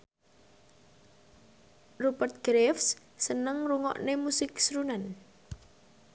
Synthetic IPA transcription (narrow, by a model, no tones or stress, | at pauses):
rupərt̪̚ɡ̥ɾefs | sənəŋruŋɔ̰ʔnemusɪksɾunan